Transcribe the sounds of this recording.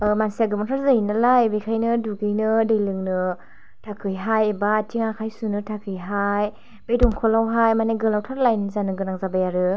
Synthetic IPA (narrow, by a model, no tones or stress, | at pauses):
mansiaɡɯmɔtʰaɾzɯɦinalajbekʰajnɯduɡɯjnɯdɯjlɯŋnɯ | tʰakʰɯjɦajebatʰiŋakʰajsunɯtʰakʰɯjɦaj | bejdɔŋkʰɔlawɦajmaneɡɯlawtʰaɾlajnɯzanɯɡɯnaŋzabajaɾɯ